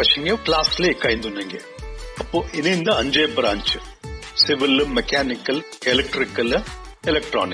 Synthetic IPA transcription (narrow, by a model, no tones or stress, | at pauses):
ɐʂɐŋɡeklaːsleːkːaːjnd̪unːɐŋɡḛ | ɐpːoːʔɪnend̪ɐɐɲd͡ʒeːbɾaːɲt͡ʃɨ | sɪʋɪlmɛkaːnɪkːɐl | ɛlɛk̚ʈɾɪkːɐl | ɛlɛk̚ʈɾo̰ːnɪk